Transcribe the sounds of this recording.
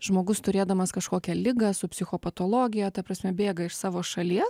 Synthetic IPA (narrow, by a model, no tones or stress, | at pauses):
ʒmoːɡʊst̪ʊɾʲeːd̪ɐmɐskɐʃkoːkʲɛlʲɪɡɐsʊpʲsʲɪxoːpɐt̪oːlˠoːɡʲɪjɛːt̪ɐpɾɐsʲmʲɛbʲeːɡɐɪʃsɑːʋoːʃɐlʲiɛs